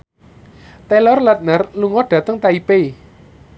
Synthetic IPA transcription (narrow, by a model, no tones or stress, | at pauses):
t̪ɛlɔrlat̪̚nərluŋɔɖ̥ä̤t̪əŋt̪aipei